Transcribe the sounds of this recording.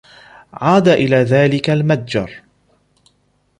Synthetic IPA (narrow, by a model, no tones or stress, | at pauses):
ʕaːd̪aʔɪlaːðaːlɪkalmad̪̚d͡ʒɑ̰ɾˤ